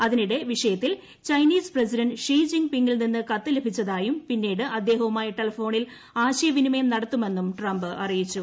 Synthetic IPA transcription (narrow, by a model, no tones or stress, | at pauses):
ɐðiniɽe̞ʋiʂɐjɐt̪ːil | t͡ɕɐjniːspresiɾɐnɖʂiːd͡ʑiŋɡpiŋɡilninːɨkɐt̪ːɨlebʱit͡ɕːɐðaːjumpinːiːɽɨʔɐd̪ːe̞ːɦɐumaːjɐʈelɐfo̞ːɳil | aːɕɐjɐʋinimɐjɐmnɐɽɐt̪ːume̞nːumʈrɐmbɨʔɐrijit͡ɕːu